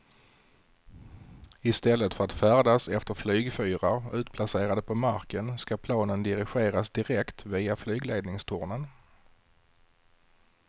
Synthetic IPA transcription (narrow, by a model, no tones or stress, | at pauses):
ɪst̪ɛlːət̪fœɾat̪fæːɖasɛft̪əɾflyːɡfyːɾaɾʉ̟ːt̪̚pʰlaseːɾad̪əpʰɔmaɾkənskapʰlɑːnənd̪ɪɾɪɧeːɾasd̪ɪɾɛkt̪viːaflyːɡleːd̪nɪŋst̪ʰʊɾɳən